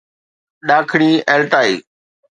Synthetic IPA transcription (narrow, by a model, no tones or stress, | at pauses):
ɗaːkʰɽ̃iːeːlʈaːeḭː